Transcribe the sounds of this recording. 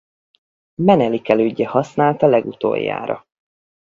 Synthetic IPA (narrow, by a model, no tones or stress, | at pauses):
mɛnɛlikɛløːɟːɛhɒsnaːlt̪ɒlɛɡut̪o̰ːja̰ːɾɒ̰